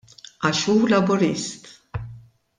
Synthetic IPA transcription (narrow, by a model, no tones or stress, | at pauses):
ɐʃuːlɐbɔɾḭst̪